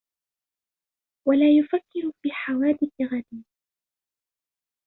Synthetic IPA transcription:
walaːjʊfakːɪɾʊfiːħawaːd̪ɪθɪɣad̪iː

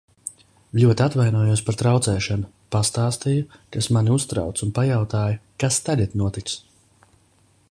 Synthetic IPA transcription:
ʎʲuɔt̪ʲat̪vajnuɔjuɔs̬paɾt̪ɾawt̪sɛːʃanʊ | past̪aːst̪ijukasmanʲiust̪ɾa̰wt̪sunpajawt̪aːjakast̪alʲat̪nuɔt̪ik̪s

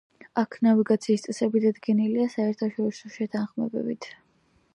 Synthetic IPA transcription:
akʰnaviɡat̪sʰiːst̪sʼɛsɛbid̪ad̪ɡɛniliasaɛɾt̪ʰaʃɔɾisɔʃɛt̪ʰanχmɛ̰bɛ̰bit̪ʰ

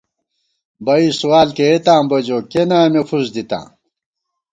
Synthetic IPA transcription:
bɐisuwaːlkeet̪ãːmbɐd͡ʑoːkenãːmefuzd̪it̪ã̰ː

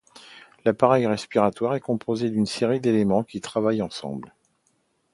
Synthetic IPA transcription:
lapaʁɛjʁɛspiʁat̪waʁɛkɔ̃pʰozed̪ynseʁid̪elemɑ̃kʲit̪χavajɑ̃sɑ̰̃bl

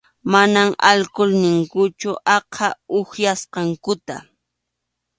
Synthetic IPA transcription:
manamalkʊlnɪŋkʊt͡ʃʊʔɑqʰɑʊxjasqɑŋkʊt̪a̰

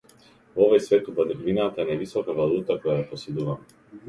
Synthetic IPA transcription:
vɔvajsvɛt̪uvvinat̪aɛnɛvisɔkavalˠut̪akɔjajapɔsɛd̪uvamɛ

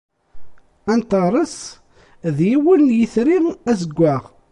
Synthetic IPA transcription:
ænt̪əɾˤəs | ðjiwənjiθɾiʁæzəɡʷːæʁ

